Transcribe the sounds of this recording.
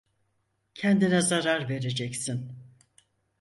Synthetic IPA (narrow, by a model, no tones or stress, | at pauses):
cʰɛnd̪inɛzaɾaɾve̞ɾe̞d͡ʒɛcsin